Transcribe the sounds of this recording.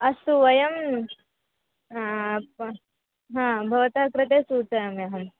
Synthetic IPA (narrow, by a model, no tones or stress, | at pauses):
ɐsuʋɐjɐm | ɦãːbʱɐʋɐt̪akɾɪt̪esuːt͡sɐjɐmjɐɦɐm